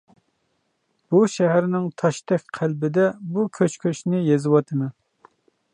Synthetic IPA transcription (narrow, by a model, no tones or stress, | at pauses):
b̥uʃɛɦæɾnɪŋt̪ʰɑʃt̪ɛkʲqʰælbɪd̪ɛbukʲʰøt͡ʃkʲʰøt͡ʃnɪjezɨwɑt̪ʰɨmɨ